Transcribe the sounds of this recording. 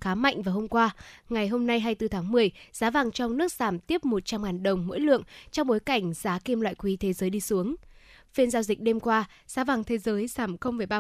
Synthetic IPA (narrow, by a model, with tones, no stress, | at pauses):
xaː˨˦ma̰˧˨jŋ̟vaː˨˩ɦo˧mkwaː˧ŋa˨˩jɦo˧mna˧jɦaː˧jt̪ɨ˧t̪ʰaː˨˦ŋmɨ˨˩əjz̥aː˨˦vaː˨˩ŋt͡ɕɔ˧wŋ͡mnɨ˦˥ək̚saː˧˩mt̪i˦˥əp̚mo˨˩t̚t͡ɕa˧mŋaː˨˩nɗə˨˩wŋ͡mmo̰˧˥jlɨ̰˧˨əŋt͡ɕɔ˧wŋ͡mɓo˨˦jka˧˩jŋ̟z̥aː˨˦ki˧mla̰ː˧˨jkwi˨˦t̪ʰe˨˦zəː˨˦jɗi˧su˨˦əŋ | fi˧ənzaː˧wzï˨˩k̟̚ɗe˧mkwaː˧ | z̥aː˨˦vaː˨˩ŋt̪ʰe˨˦zəː˨˦jsaː˧˩mxə˧wmvəː˨˩jɓaː˧